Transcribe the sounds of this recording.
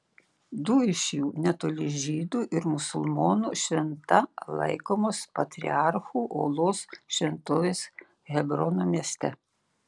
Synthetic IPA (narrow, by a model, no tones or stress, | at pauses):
d̪ʊɪʃʲjuːnʲɛt̪oːlʲɪʒʲiːd̪uːʔɪɾmʊsʊlˠmoːnuʃʲʋʲɛnt̪ɐlˠɐ̰ɪkoːmoːspɐt̪ʲɾʲɪ̰ɑɾxuːʔo̰ːlˠoːsʃʲʋʲɛnt̪oːʋʲeːs | ɣʲɛbɾɔnomʲiɛsʲt̪ʲɛ